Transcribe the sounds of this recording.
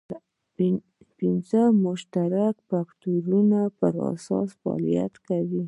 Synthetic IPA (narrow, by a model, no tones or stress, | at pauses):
pinzəmʊʃt̪aɾakfakt̪uɾunapəɾa̰sɑ̰sfɑ̰lija̰t̪kawi